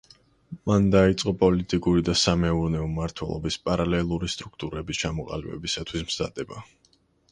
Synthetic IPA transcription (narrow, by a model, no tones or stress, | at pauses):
mand̪ait̪sʼqʼɔpʼɔlit̪ʼikʼuɾid̪asamɛuɾnɛɔmaɾt̪ʰwɛ̰lˠɔ̰bispʼaɾalɛlˠuɾist̪ʼɾukʰt̪ʼuɾɛbist͡ʃʰamɔqʼa̰libɛ̰bisat̪ʰwismz̥a̰d̪̥ɛba